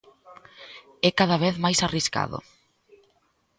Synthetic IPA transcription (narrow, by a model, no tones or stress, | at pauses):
ɛkaðaβ̞eθmajsariska̰ðʊ̰